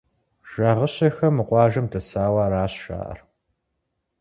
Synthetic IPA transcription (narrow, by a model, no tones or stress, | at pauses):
ʒ̥aːʁəɕɐxɐmɨqʷɑːʒɐmdɐsaːwɑːɾaːɕʃa̰ːʔɐ̰r